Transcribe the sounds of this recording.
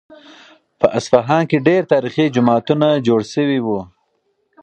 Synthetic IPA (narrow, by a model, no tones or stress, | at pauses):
pəʔasfaɦɑnkeɖeɾt̪ɑɾiχid͡ʒʊmɑt̪unad͡ʒoɽʃəwiwu